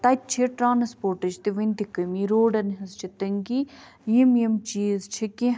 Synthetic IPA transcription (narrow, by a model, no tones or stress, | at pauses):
t̪ɐtt͡ʃʰiʈɾaːnspoːɾʈɐt͡ʃt̪iʋɐnd̪ikɐmiɾoːɖɐnɦɐst͡ʃʰit̪ɐŋɡi | jimjemt͡ʃiːzt͡ʃʰiki